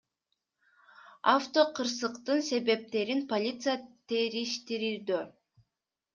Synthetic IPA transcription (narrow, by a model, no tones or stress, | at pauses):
aft̪o̞qʰɯɾsɯqt̪ɯnse̞βe̞p̚t̪e̞ɾinpo̞lʲit̪sɨjat̪ʰe̞ɾiʃt̪iɾiɾd̪ø